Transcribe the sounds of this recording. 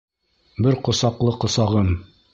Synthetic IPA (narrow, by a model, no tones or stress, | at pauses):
bɘɾqŏsɑqlˠɤqŏsɑʁɤm